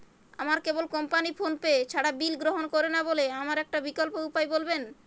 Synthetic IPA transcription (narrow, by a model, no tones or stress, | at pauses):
amaɾkebolkɔmpanifʰonpeet͡ɕʰaɽabilɡɾoɦonkoɾenaboleamaɾɛk̚ʈabikolpoupajbolben